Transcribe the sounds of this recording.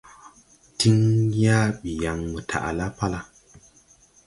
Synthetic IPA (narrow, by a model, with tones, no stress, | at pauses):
ti˦ŋja˦ɓi˨ja˨ŋmə˨tʰa̰˨ʔa̰˨la˦pa˦la˦